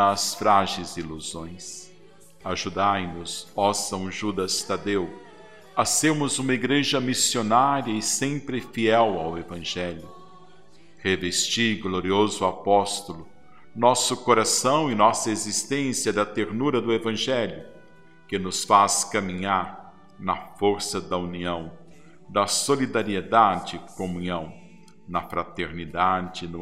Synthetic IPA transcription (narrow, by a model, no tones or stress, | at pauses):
sfɾaʒejziluzõj̃s | aʒud̪ajnʊzɔsɐ̃w̃ʒud̪ɐst̪ad̪ew | ɐseɾmʊzũmɐiɡɾeʒɐmisionaɾjiɐɪsẽmpɾɪfiɛwawevɐ̃ʒɛljʊ | hevest͡ʃiɡloɾiozʊapɔst̪ʊlʊ | nɔsʊkoɾasɐ̃w̃ɪnɔsɐezist̪ẽsiɐd̪ɐt̪eɾnuɾɐd̪ʊevɐ̃ʒɛljʊ | kɪnʊsfaskɐmĩɲaɾ | nɐfoɾsɐd̪ɐuniɐ̃w̃ | d̪ɐsolid̪aɾied̪ad͡ʒɪɪkomũɲɐ̃w̃ | nɐfɾat̪eɾnid̪ad͡ʒɪnʊ